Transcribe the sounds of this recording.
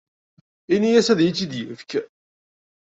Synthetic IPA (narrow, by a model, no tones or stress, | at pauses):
inijæsæðjit͡sːid̪jəfk